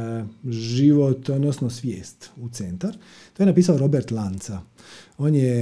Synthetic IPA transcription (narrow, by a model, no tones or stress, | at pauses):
ʒiʋot̪od̪nosnosʋjeːst̪ut̪se̞nt̪aɾ | t̪ojenapiːsaoɾo̞beɾt̪lˠant̪saoːnje